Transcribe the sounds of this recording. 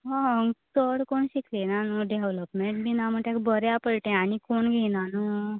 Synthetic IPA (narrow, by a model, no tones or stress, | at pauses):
ɦãŋɡtəɽkoɳɕiklenanuɖeʋʋləpmeɳʈ̚binam̤əʈ̪ekbəɾjapəɭʈɛ̃añikoɳɡʱenanu